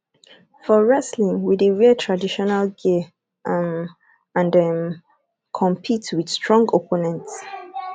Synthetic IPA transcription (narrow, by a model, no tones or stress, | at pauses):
fɔɹɛslĩŋwideɹiətʰɹadiʃɔnalɡe | m | ãndɛm | kʰɔ̃mpʰitwid̥stɹɔ̃ŋɡopʰonɛ̃nts